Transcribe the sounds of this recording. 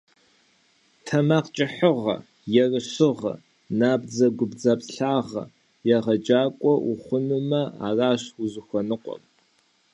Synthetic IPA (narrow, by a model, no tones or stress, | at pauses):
tʰɐmaːqt͡ʃʼɪħəʁɐ̰ | jɛrɨɕɨʁɐ̰ | naːbd͡zɐɡʷʊbd͡zapɬaːʁɐ̰ | jɛʁɐd͡ʒaːkʷʼɔʔuχʷʊnumɐa̰ːraːɕuzɨxʷɔnɨqʷʼɔ̰m